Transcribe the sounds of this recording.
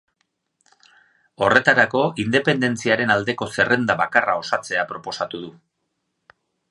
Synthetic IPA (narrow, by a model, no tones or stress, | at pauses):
o̞re̞t̪aɾako̞ind̪e̞pe̞nd̪e̞nt͡siaɾe̞nald̪e̞ko̞se̞re̞nd̪aβakarao̞sat͡se̞apɾo̞po̞sat̪uð̞u